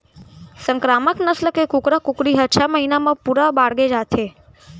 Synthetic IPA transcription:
səŋkɾaməknəsləkekukɾakukɽiɦəʃʰaməɦinamãpuɾabaɽɡed͡ʒat̪ʰe

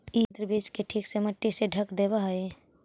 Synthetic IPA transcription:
id̪ɾəbiːd͡ʒkeʈʰiːkseməʈːiseɖʱəkd̪eːbaɦe

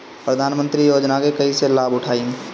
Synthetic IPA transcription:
pɾəd̪ʱaːnmə̃nt̪ɾijoːd͡ʒnakekəɦiselaːbʊʈʰaːin

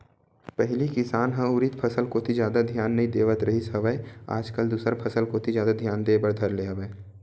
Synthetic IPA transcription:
pɛɦlikɪsaːnɦãʊɾit̪pʰɐsəlkoːt̪ʰid͡ʒjaːd̪ad̪ʱjaːnːɐɦĩd̪eːʋət̪ɾʔɐɦisəʋəea̰ːd͡ʒkəld̪uːsɾpʰɐsəlkot̪ʰizjaːd̪ad̪ʱjaːnd̪eːbɐɾd̪ʱɐɾleːaʋəe

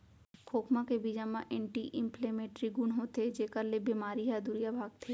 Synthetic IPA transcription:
kʰoːkmãkebid͡ʒamãʔɛ̃ːɳʈiʔɪ̃mpʰlemẽːʈɾiɡʊnɦot̪ʰed͡ʒeːkəɾlebimaːɾiɦad̪uɾijabʱaːɡ̚t̪ʰeː

